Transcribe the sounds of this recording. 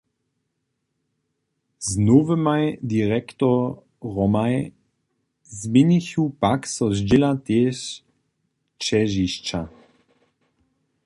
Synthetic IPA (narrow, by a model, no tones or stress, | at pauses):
znuvəmajd̪iʁɛkt̪ɔ | ʁɔmaj | zmiɲiçupaksɔzd͡ʒɪlat̪ɛːʃ | t͡ʃɛʒiʃt͡ʃa